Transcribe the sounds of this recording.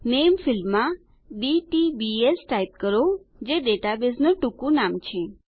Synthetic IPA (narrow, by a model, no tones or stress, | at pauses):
nemfɪlmã | ɖiʈibiesʈaip̚kəɾo | d͡ʒeɖeʈabesnoʈukũnamt͡ʃʰe